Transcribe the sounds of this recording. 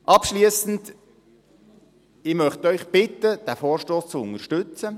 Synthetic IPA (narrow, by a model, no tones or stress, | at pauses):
ʔɑpʃliəsn̩d | ɪmœχtœʏχb̥ɪtəd̥æfoːɾʃtoːst͡suʊnəʃtʉt͡sə